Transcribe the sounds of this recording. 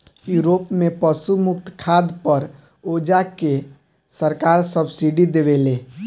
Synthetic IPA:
juːɾoːpmẽpəsumʊkt̪kʰaːd̪pəɾ | oːd͡ʒake | səɾkaːɾsəbsiɖid̪eʋeleː

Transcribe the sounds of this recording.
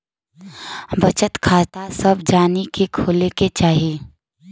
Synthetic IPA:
bət͡ʃət̪kʰaːt̪asəbd͡ʒaːnikekʰoːleket͡ʃaːɦie

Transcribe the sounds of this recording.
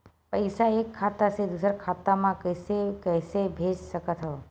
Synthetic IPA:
pəjsaekʰːat̪ased̪usəɾkʰat̪amãkəsekəjsebʱed͡ʒʃəkət̪ɦɔ

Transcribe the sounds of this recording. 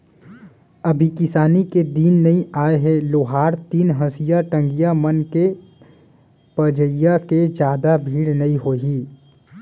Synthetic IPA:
əbʱikɪsaːniked̪iːnːɐɦĩaːeɦɛloːɦaːɾt̪iːnɦəsijaʈə̃ŋɡijamənke | pəd͡ʒəjaked͡ʒjaːd̪abʱiːɽnɐĩɦoːɦiː

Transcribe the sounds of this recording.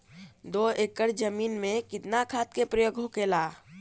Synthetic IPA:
d̪oekəɾd͡ʒəmiːnmẽkɪt̪nakʰaːt̪̚kepɾəjoːɡɦokelaː

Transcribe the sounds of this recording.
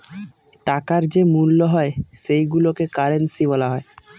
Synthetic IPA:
ʈakaɾd͡ʑemulːoɦɔeʃejɡulokekaɾensiβɔlaɦɔe

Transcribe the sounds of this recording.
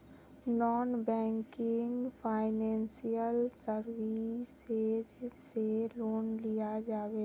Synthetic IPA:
nɔːnbɛ̃ːŋkɪŋɡpʰaːɪnɛ̃ːnsijəlsəɾwised͡ʒːeloːnlijad͡ʒaːweː

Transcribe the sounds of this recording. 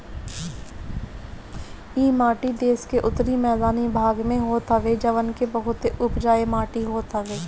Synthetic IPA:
iːmaːʈid̪eːskeʔʊt̪ɾimɛːd̪aːnibʱaːɡmẽɦoːt̪ɦəʋed͡ʒɐʋənkebɐɦʊt̪eʔʊpd͡ʒaːemaːʈiɦoːt̪ɦəʋeː

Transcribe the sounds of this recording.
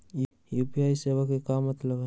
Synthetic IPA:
jupiajsebakekamat̪ləɡa

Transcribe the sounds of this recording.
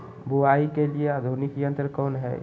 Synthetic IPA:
buaikeliead̪ʱunɪkijə̃nt̪əɾkɔːnɦɛ̰ː

